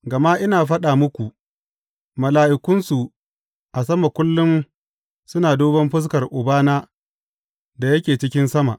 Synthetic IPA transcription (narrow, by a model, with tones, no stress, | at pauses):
ɡɐ˨ma˦ʔɪ˦naː˨ɸɐ˦ɗaː˨mʊ˦kʷu˨ʔ | mɐ˨laː˨ʔɪ˨kʷʊ˦nsu˨ | ʔa˨s̬ɐ˦ma˨kʷʊ˦lːʊ˦m | sʊ˦naː˨doː˦bɐ˦mɸɪ˦s̬kɐ˨rʔʊ˨baː˦naː˦ | da˨jɐ˦kʲeː˨t͡ʃɪ˦kʲɪ˦nsɐ˦ma̰˨ʔ